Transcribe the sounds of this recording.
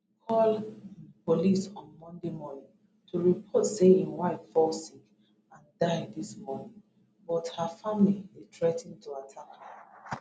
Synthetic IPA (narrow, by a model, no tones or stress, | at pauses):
kʰɔlpolisɔ̃nmɔ̃ndemɔnĩn | tʰuɹipʰɔtseĩnwaɪffɔsĩŋ | ãndaɪdiswɔ | bɔthəfamlietʰɹɛtĩntʰuatʰakhə